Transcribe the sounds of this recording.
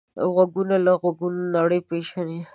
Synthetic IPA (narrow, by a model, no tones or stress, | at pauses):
ɣwaɡunalaɣwaɡunnaɽəjpeʃani